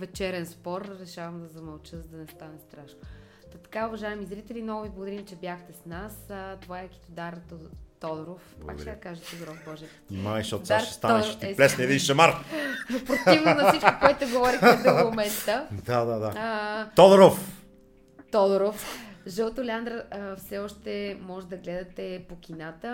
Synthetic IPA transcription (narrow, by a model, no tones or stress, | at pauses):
vɛt͡ʃɛɾɛnspɔɾɾɛʃavɐmd̪ɐzɐmɐlˠt͡ʃəzd̪ɐnɛst̪anɛst̪ɾaʃno | t̪ɐt̪ɐ̥kaʊvɐʒaɛmizɾit̪ɛlimnɔɡʊviblˠoɡod̪ɐɾimt͡ʃɛbjaxt̪ɛsnast̪ovaɛki̥t̪od̪aɾt̪ɔd̪ɾofa̰k̪ɛd̪ɐkaʒɛt̪od̪oɾɔfbɔʒɛ | imajʃɔt̪saʃɛ̥st̪aɛɾʃt̪iɛplɛsniɛd̪ĩnʃɛmaɾpɾot̪ivnnɐfsit͡ʃko̥koɛt̪t̪oɡovɔɾixɛd̪oomɛst̪əd̪ad̪ad̪aət̪od̪oɾof | t̪ɔd̪oɾofʒəlˠt̪olɛand̪ɾəfsɛɔʃt̪ɛmɔʒɛd̪ɐɡlɛd̪ɐt̪ɛpokʲinat̪ə